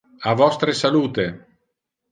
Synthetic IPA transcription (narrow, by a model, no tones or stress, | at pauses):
avɔst̪ɾesaluːt̪e